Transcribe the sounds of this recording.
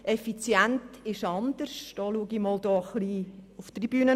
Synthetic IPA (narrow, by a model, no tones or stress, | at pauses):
ɛfit͡sjæntɪʃɑnd̪̥ərʃd̥ɑːluəɡimɔːld̥ɔːχliʊftrib̥yːnə